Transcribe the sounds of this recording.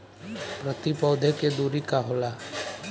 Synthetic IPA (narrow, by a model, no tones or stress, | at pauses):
pɾət̪ipɔːd̪ʱeked̪uːɾikaɦola